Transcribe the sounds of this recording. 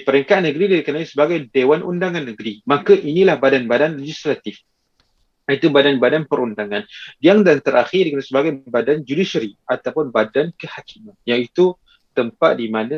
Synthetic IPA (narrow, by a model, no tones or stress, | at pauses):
pəɾəŋkanəɡɾidaikənaisəbaɡajdewanʔṵndaŋãnːəɡɾimakaʔinilahbadanbadanled͡ʒislat̪ɪf | jəit̪ubadanbadanpəɾundaŋandiaŋdant̪əɾʔaxɪdikənasəbaɡajbadand͡ʒudisəɾiʔat̪awpʊnbadankəhakimanjaŋit̪u | t̪əmpaʔ̪̚dimana